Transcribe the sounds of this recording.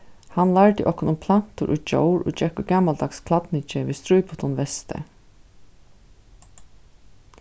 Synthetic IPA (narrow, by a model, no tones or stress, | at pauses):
hanlaɹt̪ɪʔɔhkɔnʊmpʰlan̥t̪ʊɾʔud͡ʒo̰wɾʊ̰t͡ʃɛkʊɡaːmald̪akskʰlat̪nɪt͡ʃɪʋiːst̪ɾujpʊt̪ʰɔnʋɛst̪ə̰